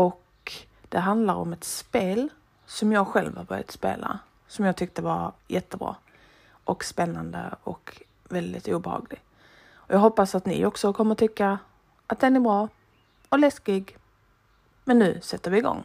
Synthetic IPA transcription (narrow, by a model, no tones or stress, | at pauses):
ɔk | d̪̥ɛɦand̪laɾɔ̰mɛt̪speːl | sɔmjɑːɡɧɛlvhabœ̰ɾɪja̰t̪spḛːlʔa̰ | sɔmjɑːɡ̚t̪ʏk̚t̪əvaɾjɛt̪ːəbɾɑ̰ː | ʔɔkspɛnːand̪ə̰ɔ̰k | vɛld̪ɪ̰t̪uːbɛhɑ̰ːɡlɪɡ | ɔjʔɑːɡɦɔpːasat̪nɪ̰ʔɔksɔkʰɔmːəɾt̪ʰʏkːa | at̪̚d̪ɛnæbɾɑː | ɔlɛskɪɡ | mɛnːʉ̟ːsɛt̪ːəɾvɪɪɡɔ̰ŋː